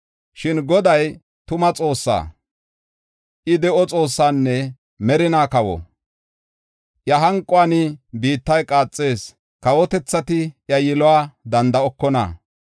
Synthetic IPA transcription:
ʃɪnɡɔd̪ɐj | t̪ʊmɐt͡sʼo̞ːsːa̰ː | ʔɪd̪ɛɔt͡sʼo̞ːsːaːnːɛ | mɛɾɪnaːkɐwɔ̰ | ʔjɐɦɐŋkʼːʊaːnɪbiːt̪ːɐjkʼaːt͡sʼːe̞ːs | kɐwɔt̪ɛt͡sːɐt̪ɪjɐjɪlɔwaːd̪ɐnd̪ɐɔkːɔnɐ̰

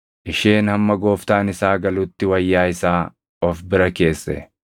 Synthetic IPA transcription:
ʔɪʃeːnhɐmːɐɡo̞ːft̪aːnɪsaːɡɐlʊt̪ːɪwɐjːaːɪsaː | ɔfbɪɾɐke̞ːsːɛ̰

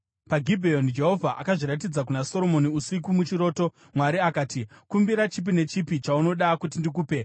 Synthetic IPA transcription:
paɡʱibʱejonid͡ʒe̞ɦo̞vʱaʔa̰kaʐiɾat̬id͡zak̬unaso̞ɾo̞mo̞niusik̬umut͡ʃiɾo̞ːto̞ | mwaɾiakaːtikumbiɾat͡ʃip̬ine̞t͡ʃipit͡ʃauno̞ɗakutindik̬uːpe̞

